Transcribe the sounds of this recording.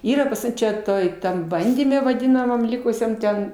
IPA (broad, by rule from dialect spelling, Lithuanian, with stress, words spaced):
ˈiːrɐ pɐs ˈmʊm t͡ʃʲɛ ˈtoːj ˈtɐm ˈbɐnʲdʲiːmʲɛ ʋɐˈdʲɪnɐmɐm ˈlʲɪkʊsʲɛm ˈtʲɛn